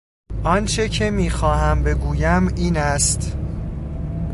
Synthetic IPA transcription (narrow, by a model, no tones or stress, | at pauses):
ʔɒnt͡ʃʰecʰe̞miːxɒːɦæmbe̞ɡuːjæmiːnæst̪